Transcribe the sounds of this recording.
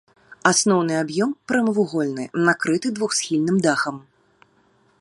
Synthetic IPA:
asnɔwn̪ɨabjɔmpɾɐmɐvuɣɔlʲnɨnakɾɨt̪ɨd̪vuxsʲxʲilʲnɨmd̪axɐm

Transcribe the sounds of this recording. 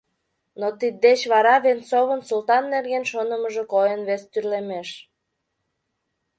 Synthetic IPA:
not̪id̪̚ːet͡ɕβɑɾɑβent͡soβənsult̪ɑnːerɣenʃonəməʒəkojənβest̪yrlemeʃ

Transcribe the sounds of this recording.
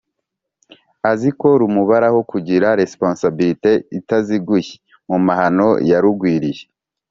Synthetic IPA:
aziko̞ɾumuβaɾahokuɟiɾaɾe̞spõnsabiɾite̞itaziɡuje̥ | mumaɦano̞̰jaɾuɡwiːɾije

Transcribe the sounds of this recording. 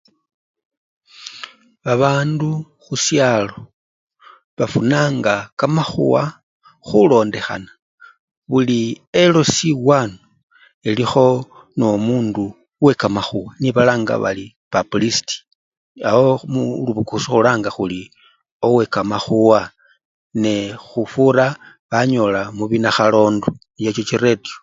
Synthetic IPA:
βaβaːndu | xusjalo̞ | βafunaːŋɡakamaxṵwa | xulo̞ːnde̞xa̰na | βuli | elo̞siwaːno | elixo̞ | no̞muːndu | we̞kamaxuwaniβalaːŋɡa̰βa̰li | pablisti̥ | awomuluβukusixulaːŋɡaxuli | o̞we̞kamaxuwa | nexufuɾa | βaɲo̞lamuβinaxalo̞ːndunt͡ʃet͡ʃot͡ʃiredio

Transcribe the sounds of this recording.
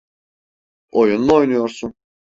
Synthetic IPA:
o̞junluo̞jnujo̞ɾsun

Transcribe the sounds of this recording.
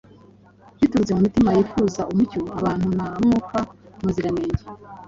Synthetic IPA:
jituɾuzemumitimajiːfuːzaʔumucuaβaːn̥hunaɾamŋuːkamuziɾameːɲɟe

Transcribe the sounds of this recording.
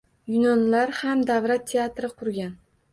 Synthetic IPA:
jʊnɒnlaɾhamd̪avɾat̪ːʰe̞at̪ɾɪqʰʊɾɡʲan

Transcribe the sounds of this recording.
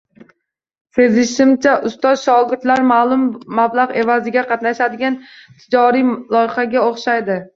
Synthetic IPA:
se̞zɪʃɪmt͡ʃʰaʔʊst̪ɒzʃɒɡʲɪɾt̪laɾmalˠʊmːablˠaʁe̞vazɪɡʲaqʰɑt̪naʃad̪ɪɡʲant̪ʰɪd͡ʒɒɾilˠɒjχaɡʲaoχʃajd̪ɪ

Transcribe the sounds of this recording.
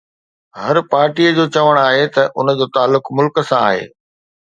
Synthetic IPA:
ɦɐɾpaːɾʈiːəd͡ʑoːt͡ɕɐʋəɽ̃aːɦet̪ɐʔʊnəd͡ʑoːt̪aːlːʊkmʊlkə̆sãa̰ːɦḛː

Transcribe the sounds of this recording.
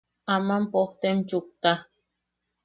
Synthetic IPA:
amampoht̪emt͡ʃuk̚t̪a

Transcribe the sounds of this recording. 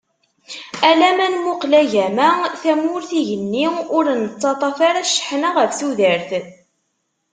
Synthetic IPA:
ælæmænmʊqlæʝæmæθæmʊɾθiʝənːiʊɾnət͡sˤːɑt̪ˤɑfaɾæʃːə̥ħnaʁəfθuðəɾθ

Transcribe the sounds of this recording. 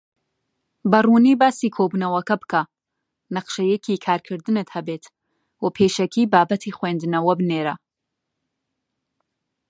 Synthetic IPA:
bɐruːniːbaːsiːkʰoːbunɐwɐkɐbɨkʰɐ | nɐqʃɐjɛkʰikʰaːɾkʰɨɾd̪ɨnɨt̪hɐbeːt̪ | wɐpʰeːʃɐkʰiːbaːbɐt̪ʰiːχweːnd̪ɨnɐwɐbɨneːɾɐ

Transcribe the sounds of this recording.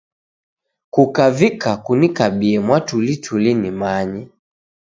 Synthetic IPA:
kukavikakunikabiɛmwatulitʰulinimaɲɛ

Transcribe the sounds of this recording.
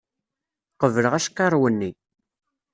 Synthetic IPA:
qəvələʁæʃkːɑɾˤwənːi

